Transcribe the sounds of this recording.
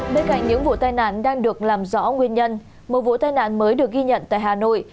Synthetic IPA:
ɓe˧nka̰˧˨ŋɲɨ̰˧˥ŋvṵ˧˨t̪aː˧jna̰ː˧˨nɗaː˧ŋɗɨ˨˩ək̚laː˨˩mzɔ̰˧˦ŋwi˧ənɲə˧n | mo˨˩t̚vṵ˧˨t̪aː˧jna̰ː˧˨nməː˨˦jɗɨ˨˩ək̚ɣi˧ɲə̰˧˨nt̪a̰ː˧˨jɦaː˨˩no̰˧˨j

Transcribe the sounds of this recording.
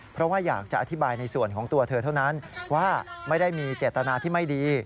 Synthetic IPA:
pʰɾɔ˦˥waː˥˩jaː˨˩k̚t͡ɕa˨˩ʔa˧t̪ʰi˦˥baː˧jna˧jsu˨˩ənkʰɔː˩˦ŋt̪u˧ɐt̪ʰɤː˧t̪ʰa˥˩wna˦˥nwaː˥˩ma˥˩jda˥˩jmiː˧t͡ɕeː˨˩t̪ːa˧naː˧t̪ʰiː˥˩ma˥˩jdiː˧

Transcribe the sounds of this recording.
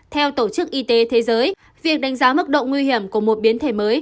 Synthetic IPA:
t̪ʰɛ˧wt̪o˧˩t͡ɕɨ˦˥k̚ʔi˧t̪e˨˦t̪ʰe˨˦zəː˨˦j | vi˨˩ək̚ɗa˨˦jŋ̟zaː˨˦mɨ˦˥k̚ɗo̰˧˨ŋwi˧hi˧˩əmku˧˩əmo˨˩t̚ɓi˨˦ənt̪ʰe˧˩məː˨˦j

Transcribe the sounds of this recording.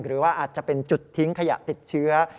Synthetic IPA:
ŋɾɯː˩˦waː˥˩ʔaː˨˩t̪̚t͡ɕa˨˩pe˧nt͡ɕu˨˩t̪ʰːi˦˥ŋkʰa˧ja̰˨˩ʔt̪i˨˩t̪̚t͡ɕʰɯ˦˥ɐ

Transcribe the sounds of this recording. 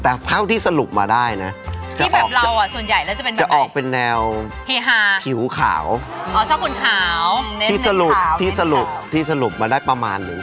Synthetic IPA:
t̪ɛː˨˩t̪ʰa˥˩wt̪ʰiː˥˩sa˧lu˨˩p̚maː˧daː˥˩jna˦˥t͡ɕa˨˥˩bbɛː˨˩kp̚ɾa˧wa˨˩su˨˩ənja˨˩jlɛː˦˥wt͡ɕa˨˩pe˧nt͡ɕa˨˩ʔɔː˨˩k̚pe˧nːɛː˧w | heː˧ɦaː˧˩pʰi˩˦wkʰa̰ː˩˦w | a˧˩t͡ɕʰɔː˥˩p̚kʰu˧nkʰaː˩˦w̪ʰiː˥˩sa˧lu˨˩p̚t̪ʰiː˥˩sa˧lu˨˩pt̪ʰiː˥˩sa˧lu˨˩p̚maː˧daː˥˩jpɾa˧ma̰ː˧nːɯ˩˦ŋ

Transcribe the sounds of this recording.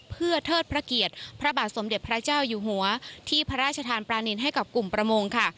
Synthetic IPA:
pʰɯ˥˩ɐt̪ʰɤː˥˩t̪̚pʰɾa˦˥ki˨˩ət̪̚pʰɾa˦˥baː˨˩t̪̚so˩˦mde˨˩t̪̚pʰɾa˦˥t͡ɕaː˥˩wjuː˨˩ɦu˨˩˦ɐt̪ʰiː˥˩pʰɾa˦˥ɾaː˥˩t̪̚t͡ɕʰa˧t̪ʰaː˧npɾaː˧ni˧nɦa˥˩jka˨˩p̚ku˨˩mpɾa˧mo˧ŋkʰa˥˩

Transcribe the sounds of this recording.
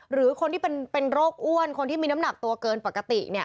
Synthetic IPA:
ɾɯː˩˦kʰo˧nt̪iː˥˩pe˧npe˧nɾoː˥˩k̚ʔu˥˩ənkʰo˧nt̪ʰiː˥˩miː˧na˦˥mna˨˩k̚t̪u˧ɐkɤː˧npa˨˩kːa˧t̪i˨˩ʔni˥˩ɐ

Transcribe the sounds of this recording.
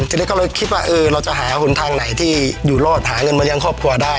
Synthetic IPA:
t͡ɕʰi˧n˧˦˥kɔ˥˩lɤː˧kʰi˦˥waː˥˩ʔɤː˧ɾa˧wt͡ɕa˨˩ʔɦaː˩˦hʰu˩˦nt̪ʰaː˧ŋna˩˦jt̪ʰiː˥˩juː˨˩loː˥˩t̪̚ɦaː˩˦ŋɤ˧nma˧˥ja˧ŋkʰɔː˥˩p̚kʰu˧ɐdaː˥˩j

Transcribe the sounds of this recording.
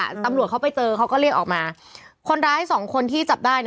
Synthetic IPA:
t̪a˧mɾu˨˩ət̚kʰa˦˥wpa˧jt͡ɕɤː˧kʰa˦˥wkɔː˥˩ɾi˥˩ək̚ʔɔː˨˩k̚maː˧kʰo˧nɾaː˦˥jsɔː˩˦ŋkʰo˧nt̪ʰiː˥˩t͡ɕa˨˩p̚daː˥˩jn

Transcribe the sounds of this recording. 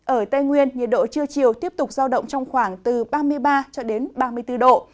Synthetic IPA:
ʔəː˧˩t̪ə˧jŋwi˧ənɲi˨˩ət̚ɗo̰˧˨t͡ɕɨ˧ət͡ɕi˨˩əwt̪i˦˥əp̚t̪ʊ˨˩k͡p̚zaː˧wɗə̰˧˨wŋ͡mt͡ɕɔ˧wŋ͡mxwaː˧˩ŋt̪ɨ˨˩ɓaː˧mɨ˧əjɓaː˧t͡ɕɔ˧ɗe˨˦nɓaː˧mɨ˧əjt̪ɨ˧ɗo̰˧˨

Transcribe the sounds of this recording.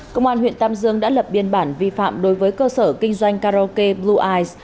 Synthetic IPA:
kə˧˨wŋ͡mʔaː˧nɦw̰ənt̪aː˧mzɨ˧əŋɗa̰ː˧˥lə˨˩p̚ɓi˧˩ənɓaː˧˩nvi˧fa̰ː˧˨mɗo˨˦jvəː˨˦jkəː˧səː˧˩kï˧ŋ̟zwa˧jŋ̟kaː˧o˧ke˧ɓlu˧ʔaː˧js

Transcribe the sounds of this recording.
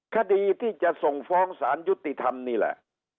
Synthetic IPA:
kʰa˧diː˧t̪ʰiː˥˩t͡ɕa˨˩ʔso˨˩ŋfɔː˦˥ŋsaː˩˦nju˦˥t̪ːi˨t̪ʰa˧mniː˧˩lɛ̰˨˩ʔ

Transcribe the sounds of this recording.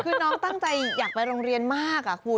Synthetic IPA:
kʰɯː˧nɔː˦˥ŋt̪a˥˩ŋt͡ɕa˧jjaː˨˩k̚pa˧jɾoː˧ŋɾi˧ənmaː˥˩k̚ʔa˨˩kʰu˧

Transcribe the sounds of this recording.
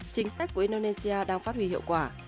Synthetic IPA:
t͡ɕï˨˦ŋ̟sa˦˥k̚kːu˧˩əi˧ɗo˧ne˧si˧aː˧ɗaː˧ŋfaː˦˥t̚hwi˧˩hḭ˧˨əwkwaː˧˩

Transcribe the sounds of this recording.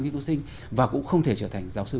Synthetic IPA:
ɲḭ˧˥ŋk̪ːsï˧ŋ̟ | vaː˨˩kʊ̰˧˥ŋ͡mxə˧wŋ͡mt̪ʰe˧˩t͡ɕəː˧˩t̪ʰa˨˩jŋ̟zaː˨˦wsɨ˧

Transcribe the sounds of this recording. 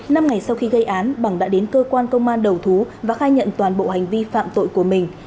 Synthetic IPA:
na˧mŋa˨˩jsa˧wxi˧ɣə˧jʔaː˨˦nɓa˧˩ŋɗa̰ː˧˥ɗe˨˦nkəː˧kwaː˧nkə˧wŋ͡mʔaː˧nɗə˨˩wt̪ʰu˨˦vaː˨˩xaː˧jɲə̰˧˨nt̪waː˨˩nɓo̰˧˨ha˨˩jŋ̟vi˧fa̰ː˧˨mt̪o̰˧˨jku˧˩əmï˨˩ŋ̟

